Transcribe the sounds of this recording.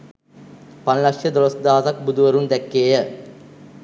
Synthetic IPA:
pɐnlɐkʂjɐd̪ɔɾosd̪aːt̪ɐk̚bud̪uʋɐɾund̪ɛkːeːjə

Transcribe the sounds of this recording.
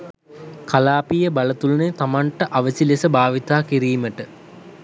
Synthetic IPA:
kalaːpijəbalət̪ulənet̪amaɳʈəʔaʋəsilesəbaːʋit̪aːkiɾiːməʈə

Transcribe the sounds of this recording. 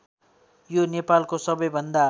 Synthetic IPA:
jonepalkosʌbʌjbʱʌnd̪a

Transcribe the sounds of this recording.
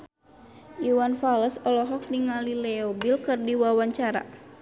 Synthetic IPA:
uwanfaləsɔlɔɦɔk̚niŋalilɛɔbilkɨrdiwawaɲt͡ʃaɾa̰

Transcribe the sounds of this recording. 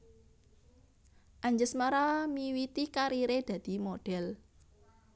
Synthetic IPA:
ʔaɲd͡ʒəsmaɾamiwit̪ikaɾiɾed̪̥ä̤d̪̥i̤moɖ̥ɛl

